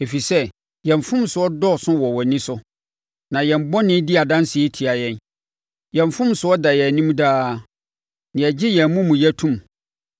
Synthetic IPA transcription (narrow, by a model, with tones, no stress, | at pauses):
e˨fi˨sɛ˦ | jɛ̃˨ɱ˨fʊ̃˦m˨sʊ˨ɔ˦dɔ˦˨sʊ̃˦wɔ˨wɔ˨nɪ̃˦sʊ˦ | nã˨jɛ̃˨mbɔ˦nɪ̃˦dɪ˦a˨dã˦nsɪ˨e˦tʰi˨a˨jɛ̃˦n | jɛ̃˨ɱ˨fʊ̃˦msʊ˨˦ɔ˦da˨jɛ˨nĩ˦m̃˦daː˦ | nɪ̃˨ɛ˨d͡ʑɪ˦jɛ̃˨mũ˦mũ˨jɛ˦tʰũ˦˨m